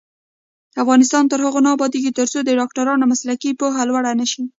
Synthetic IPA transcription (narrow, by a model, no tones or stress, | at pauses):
afɣɑnɪst̪ɑnt̪əɾhəɣonɑbɑd̪eɡit̪əɾt͡sod̪əɖɑkʈaɾɑnomaslakipoɦalwaɽanəʃi